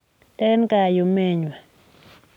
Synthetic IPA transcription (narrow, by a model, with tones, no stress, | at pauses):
tɛ˦nka˨jo˨me˦ɲwa˨